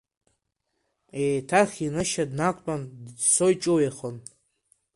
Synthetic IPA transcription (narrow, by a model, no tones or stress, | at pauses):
eːtʰaχʲinɨʃadnakʷʼtʼandsojt͡ʃʼowjaχən